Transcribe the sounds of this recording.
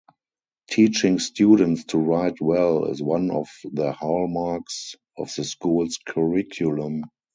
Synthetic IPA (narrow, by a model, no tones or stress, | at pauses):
tʰiːt͡ʃɪ̃ŋstjuːdə̃ntstʰuɹaɪtʰwɛlɪ̰zwãnɔfðəhalmaks | ɔfðəskuːlskʰəɹɪkʰjulə̃m